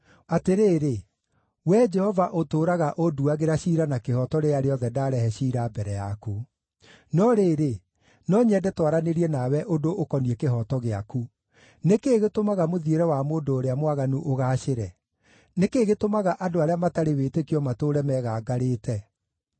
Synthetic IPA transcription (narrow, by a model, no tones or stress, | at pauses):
ateɾeːɾe | wɛd͡ʒɛhɔvaʔotoːɾaɣaʔoduaɣeɾaɕiɾanakehɔtɔɾeaɾeɔðɛdaɾɛhɛɕiːɾabɛɾɛjaku | nɔɾeːɾe | nɔɲɛdɛtwaɾaneɾiɛnawɛʔodoʔokɔniekeɦɔtɔɣea̰ku | nekeːɣetomaɣamoðieɾɛwamoːndoːɾeamwaɣanuʔoɣaːʃeɾɛ | nekeːɣetomaɣaʔadoaɾeamataɾeweːtekiɔmatoːɾɛmɛɣaːɡaɾeːtɛ